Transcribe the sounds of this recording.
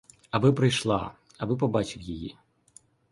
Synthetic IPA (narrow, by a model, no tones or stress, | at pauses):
ɐbɨpɾɨjʂlˠa̰ | ɐbɨp̬ɐbat͡ʃɨwjaji